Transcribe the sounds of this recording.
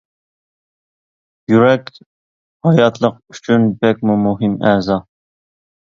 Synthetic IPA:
jyɾɛk̪ʲ | hɑjɑt̪ʰlˠəq̚yt͡ʃʰynbɛkʲmumuɦɨmɛzɑ

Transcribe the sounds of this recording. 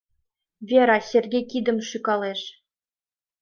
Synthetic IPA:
vʲeɾɑsʲerɡʲejkid̪ə̆mʃykɑlˠeʃ

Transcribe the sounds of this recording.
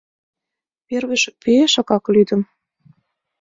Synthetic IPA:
perβĕʃ̚peeʃɑkɑklyd̪ə̆m

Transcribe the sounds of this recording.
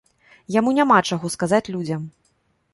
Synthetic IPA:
jamunʲamat͡ʂaɣɔskazat͡sʲlʲud͡zʲɐm

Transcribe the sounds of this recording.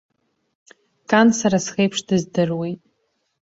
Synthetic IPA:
kʰʼansaɾasχejpʰʂdɨzdɨrwejtʼ

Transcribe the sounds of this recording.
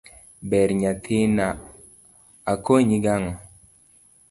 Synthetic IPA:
bɛɾɲat̪ʰina | akoɲiɡaŋɔ

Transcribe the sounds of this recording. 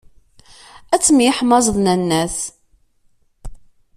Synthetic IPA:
æt͡sːmjħmɑzˤðˤnænːæθ

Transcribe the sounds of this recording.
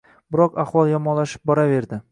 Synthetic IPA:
bɪɾɒqaχwɒlˠjɒmɒnlːaʃɪ̥p̚bɒɾave̞ɾd̪ɪ

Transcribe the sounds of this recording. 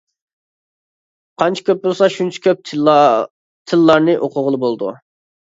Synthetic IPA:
qʰɑnt͡ʃʰi̥kʲʰøp̚bolˠsɑʃunt͡ʃʰɛ̥kʲøp̚ | t̪ʰɨlːɑɾnɨʔoqʰʊʁəlˠɨbolˠd̪ṵ

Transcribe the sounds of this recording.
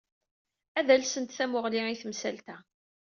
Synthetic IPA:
æðælsənt̪θæmʊʁliiθmsælt̪æ

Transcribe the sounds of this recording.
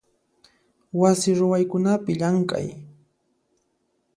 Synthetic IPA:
wasɪɾʊwajkʊnapɪʎaŋkʼa̰j

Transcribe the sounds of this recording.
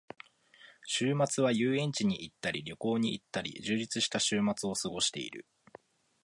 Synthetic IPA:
ɕɨːmat͡sɨβajɯːẽ̞ɲ̟t͡ɕiɲ̟iʔit̪ːaɾʲiɾʲo̞ko̞ːɲ̟iit̪ːaɾʲḭʑɨːʑit͡sɨɕi̥t̪aɕɨːmat͡sɨo̞sɨɡo̞ɕi̥t̪e̞̰ḭɾɯ̟̰

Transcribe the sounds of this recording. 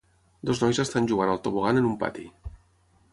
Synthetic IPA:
d̪oznɔjzəst̪anʲʒuɣanalˠt̪oβoɣanənumpa̰t̪ḭ

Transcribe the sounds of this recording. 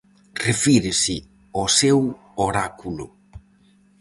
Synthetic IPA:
refiɾɪsɪ | osew | oɾakulʊ̰

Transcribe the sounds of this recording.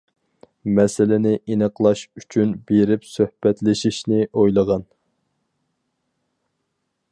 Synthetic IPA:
mɛsɪlɪnɪʔinəqlˠɑʃyt͡ʃʰynbeɾɪpsøhbɛt̪lɪʃiʃnɪʔojlˠəʁɑn

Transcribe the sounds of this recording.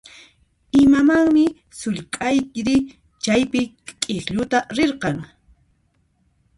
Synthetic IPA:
ɪmamaŋmɪ | sʊʎkʼajkɾɪ | t͡ʃajpɪ | kʼeχʎʊt̪aɾeɾqɑŋ

